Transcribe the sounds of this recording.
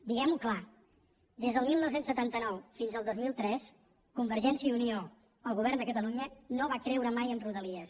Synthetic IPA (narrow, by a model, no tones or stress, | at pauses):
d̪iɣɛmukla | d̪ezðəlˠmilˠnɔwsensət̪ant̪ənɔwfinzəlˠd̪ozmilˠt̪ɾɛs | kumbəɾʒɛnsiəunio | əlˠɣuβ̞ɛrnd̪əkət̪əluɲənoβakɾɛwɾəmajənruðəliəs